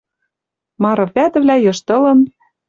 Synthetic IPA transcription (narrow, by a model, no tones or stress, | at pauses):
mɑɾɤ̆pʲæt̪ɘ̆vlæjɤ̆ʃt̪ɤ̆lɤ̆n